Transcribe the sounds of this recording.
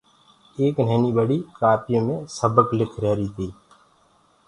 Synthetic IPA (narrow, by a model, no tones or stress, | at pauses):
eːkn̤ɛːnibəɽikaːpjõmẽsəbəklɪkʰɾɛːɾit̪ʰiː